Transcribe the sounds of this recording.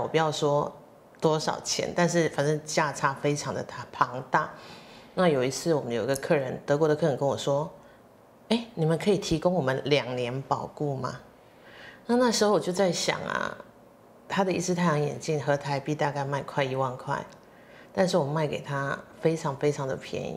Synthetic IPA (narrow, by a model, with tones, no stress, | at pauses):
wɔ̰˨˩pu˨˩jɑ˥˩ʊʂwɔ˥ | t̪wɔ˥ʂɑ̰˨˩ʊt͡ɕʰjɛ̰˧˥nt̪a˥˧nʂ̬ɻ̩˥˩fa˨˩nʈ͡ʂɤ˥˧ŋt͡ɕja˥˩ʈ͡ʂʰa˥fe˥ɪʈ͡ʂʰɑ˧˥ŋd̪ə̰˨t̪ʰa˩pʰɑ˧˥ŋt̪a˥˩na˥˩˨jo˨˩ʊi˧˥t͡sʰɹ̩˥˩wɔ˨˩mə˦njo˨˩i˧˥ɡə˧kʰɤ˥˩ɻə˧˦nt̪ɤ˧˥kwɔ˧˥ɾə˧kʰɤ˥˩ɻə˦nkə˦˥nwɔ̰˨˩ʂwɔ˥ | e˥˩ɪni˨˩mə˨nkʰɤ˧˥i˨˩t̪ʰi˧˥kʊ˥ŋwɔ˨˩mə˦nljɑ˨˩ŋnjɛ˧˥npɑ˨˩ʊku˥˩ma̰˩ | na˥˧na˥˩ʂɻ̩˧xo˥˩ʊwɔ˨t͡ɕjo˥˧ʊt͡sa˥˩ɪɕjɑ̰˨˩ŋɐ̰˨˩ | t̪ʰa˥d̪ə˨i˥˩t͡sʰɻ̩˥t̪ʰa˥˩ɪjʰɑ˧˥ŋjɛ̰˨˩nt͡ɕi˥˩nxɤ˧˥t̪ʰa˧˥ɪpi˥˧t̪a˥˧ka˥˧ɪma˥˧ɪkʰwa˥˩ɪi˧˥wɑ˥˧nkʰwa̰˥˩ɪ | t̪a˥˧nʂ̬ɻ̩˥˩wɔ˨˩ma˥˩ɪke˨˩ɪt̪ʰa˥fe˥ɪʈ͡ʂʰɑ˧˥ŋfe˥ɪʈ͡ʂʰɑ˧˥ŋd̪ə̰˨pʰjɛ̰˧˥nḭ˦